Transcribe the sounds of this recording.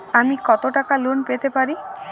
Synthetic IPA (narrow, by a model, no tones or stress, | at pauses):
amikɔt̪oʈakalunpet̪epaɾi